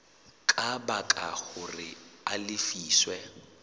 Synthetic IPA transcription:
kʼabakʼa̰ɣʊrɪalɪfiːswɛ

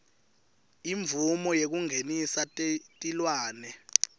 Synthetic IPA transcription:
iɱbvumɔjek̬uŋʱenisattʼilwaːnɛ

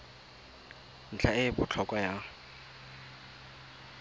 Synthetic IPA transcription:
n̩t͡ɬʰaɪbʊt͡ɬʰɔkʼwaja

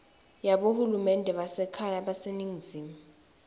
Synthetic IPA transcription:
jaɓohulumɛndʱɛɓasɛkʰajaɓaseniŋiziːma

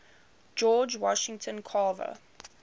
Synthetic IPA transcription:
d͡ʒɔːd͡ʒwɔʃɪ̃ŋtʰə̃nkʰɑːvə̰

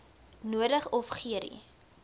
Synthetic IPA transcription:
nuədəχɔfχiəɾḭ

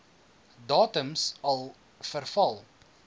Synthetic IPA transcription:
dɑːtəmsɐlˠ | fərfɐlˠ

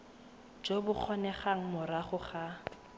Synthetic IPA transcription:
d͡ʒobʊk͡xʰɔnɛχaŋ̩mʊɾaχʊχa

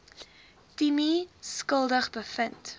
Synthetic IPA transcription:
timiskəlˠdəχbəfənt

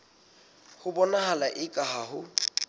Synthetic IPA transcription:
hʊbɔnaɦalaʔɪkʼaɦahʊ

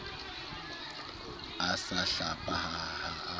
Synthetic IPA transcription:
asaɬapʼahaha

